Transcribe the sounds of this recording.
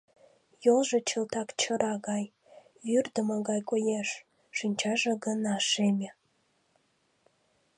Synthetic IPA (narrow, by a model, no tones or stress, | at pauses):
jolʒet͡ɕəlt̪ɑkt͡ɕəɾɑɣɑj | jyrd̪əməɣɑjkojeʃ | ʃinʲt͡ɕɑʒeɡənɑʃemʲe